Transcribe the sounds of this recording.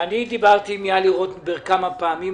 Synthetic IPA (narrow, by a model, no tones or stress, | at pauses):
anid̪ibaʁt̪imijaliʁot̪beʁkamapeami